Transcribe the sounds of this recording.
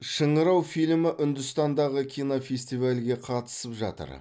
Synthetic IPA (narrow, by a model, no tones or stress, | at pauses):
ʃəɴəɾɑwfijlmɪʔʏnd̪ʏst̪ɑnd̪ɑʁəkʲʰijnofʲesʲt̪ijvalɡʲe̞qʰɑt̪ə̥səpʒɑ̰t̪ə̰ɾ